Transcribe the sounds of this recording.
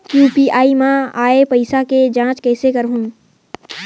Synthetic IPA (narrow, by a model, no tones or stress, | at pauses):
juːpiːʔaːimãaːepɐɪsaked͡ʒãːt͡ʃkɛːsekɐɾɦũː